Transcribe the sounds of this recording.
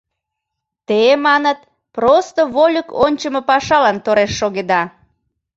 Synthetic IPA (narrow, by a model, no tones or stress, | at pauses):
t̪emɑnət̪̚ | prost̪oβolʲəkonʲt͡ɕəmopɑʃɑlɑnt̪oɾeʃːoɣed̪ɑ